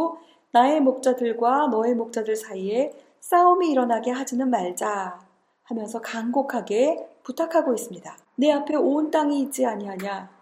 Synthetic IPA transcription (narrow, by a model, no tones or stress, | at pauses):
o | nae̞mok̚t͡ɕ͈adɯɭɡwanʌe̞mok̚t͡ɕ͈adɯɭsʰaie̞ | s͈aumiːɾʌnaɡe̞ɦad͡ʑinɯnmaɭd͡ʑa | hamjʌnsʰʌkaŋɡokʰaɡe̞putʰakʰaɡois͈ɯmɲida | ne̞apʰe̞ont͈aŋiːt͡ɕ͈iaɲiɦaɲa